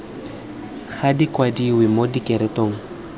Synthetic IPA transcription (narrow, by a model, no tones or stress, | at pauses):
ɣadikʼwadiwɪmodikʼɛɾɛtʼoːŋ̩